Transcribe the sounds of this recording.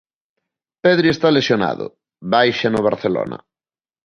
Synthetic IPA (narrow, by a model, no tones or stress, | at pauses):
peðɾiest̪alesjona̰ðʊ̰ | βajʃanoβ̞aɾθelo̰nɐ̰